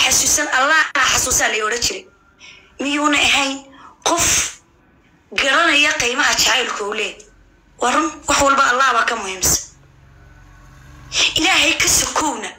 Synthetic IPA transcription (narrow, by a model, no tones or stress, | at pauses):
ħɑsuːsɐnɐlːaːaħɑsuːsaːlɛjɔɽɐnt͡ʃʰɪɾɛj | mɪjuːnɐɐɦɛjnqɔf | ɡɐɽɐnɐjɐqijmɐɦɐt͡ʃʰaʕajlkʰʊʊlɛː | wɑːrʊnwɑħwɑlbɐʔːlːaːhβaːkʰɐmʊhiːmsɐ̥ | ʔɪlaːɦɛjkʰɐsɔkʰɔwnɐ